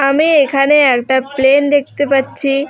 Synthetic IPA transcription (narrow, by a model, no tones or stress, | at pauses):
amiekʰaneaɾʈaplend̪ek̚ʰt̪epət̪ːʰiː